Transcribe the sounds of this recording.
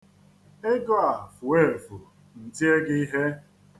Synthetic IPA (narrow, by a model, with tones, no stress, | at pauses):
e˦ɡɔ˦a˨fʊ˨e˦˨fu˨ | n̩˨ti˦e˦ɡɪ˦i˦ɦe˦